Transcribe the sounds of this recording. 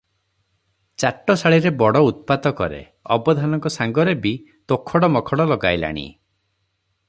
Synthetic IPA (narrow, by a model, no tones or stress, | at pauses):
t͡ʃaʈːɔsaɭiɾebɔɽɔut̪̚pat̪ɔkɔɾḛ | ɔ̰bɔd̪ʱanɔŋkɔsaŋɡɔɾebi | t̪okʰɔɽɔmɔkʰɔɽɔlɔɡajla̰ɽ̃ḭ